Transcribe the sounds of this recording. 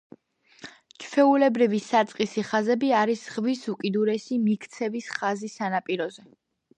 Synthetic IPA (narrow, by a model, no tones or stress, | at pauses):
t͡ʃʰfɛulɛbɾivisat̪sʼqʼisiχazɛbiaɾisʁvisukʼid̪uɾɛsimikʰt̪sʰɛvisχazisanapʼiɾɔzɛ